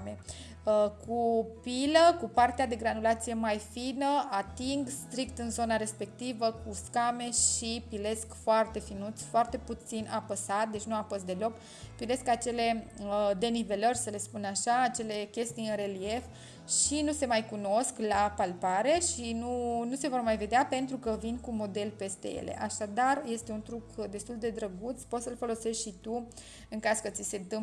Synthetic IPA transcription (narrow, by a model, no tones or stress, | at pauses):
me | kʰupiləkupart̪ead̪e̞ɡɾanulat̪sije̞majfinəat̪iŋɡst̪ɾikt̪ɨnzo̞naɾe̞spe̞kt̪ivəkuskame̞ʃipile̞skfoart̪e̞finut̪sʲfoart̪e̞put̪sinʔapəsat̪̚d̪e̞t͡ʃʲnuafost̪d̪e̞lo̞k | pile̞skat͡ʃe̞le̞d̪e̞nive̞lərʲsəle̞spunaʃaːt͡ʃe̞le̞kʲe̞st̪ijɨnre̞lie̞f | ʃinuse̞majkuno̞sklapalpaɾe̞ʃinunuse̞vo̞rmajve̞d̪eape̞nt̪ɾukəvinkumo̞d̪e̞lpe̞st̪ḛjḛlʔḛʔaʃad̪arje̞st̪e̞unt̪ɾukd̪e̞st̪uld̪ed̪ɾəɡut̪spo̞t̪səlfo̞lo̞se̞ʃt̪ʃit̪u | ɨŋkazkət̪sisent̪ɨm